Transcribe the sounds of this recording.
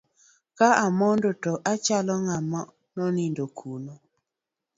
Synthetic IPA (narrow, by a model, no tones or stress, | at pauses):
kaamɔndotɔʔat͡ʃalɔŋamɔ | nɔnindokʰuno